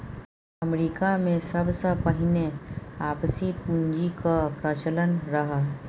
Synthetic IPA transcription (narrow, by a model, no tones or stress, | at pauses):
ɐmɾikamẽsɐbsəpəɦɪneaːpsipũnd͡ʒikapɾət͡ʃələnɾəɦa